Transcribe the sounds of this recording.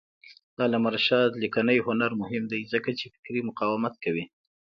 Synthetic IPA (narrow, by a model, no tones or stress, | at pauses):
d̪̥ɑlamaɾʃɑd̪likanəjhʊnaɾmʊhɪmd̪ajzəkat͡ʃefɪ̥kɾimʊqɑwɪmat̪̚kawi